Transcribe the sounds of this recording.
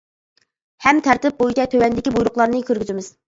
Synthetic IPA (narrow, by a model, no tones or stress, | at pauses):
hɛmt̪ʰæɾt̪ɪp̚bojit͡ʃɛt̪ʰøwɛnd̪ɪkʲibujɾʊχlˠɑɾnɨkʲʰøɾɡʲyzɪmɪz̥